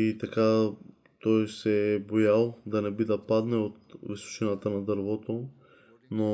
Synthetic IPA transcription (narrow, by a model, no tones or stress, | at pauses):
it̪aka | t̪ɔjsɛbojalˠd̪anɛbid̪apad̪nɛot̪viso̥t͡ʃinat̪anad̪əɾvot̪o | no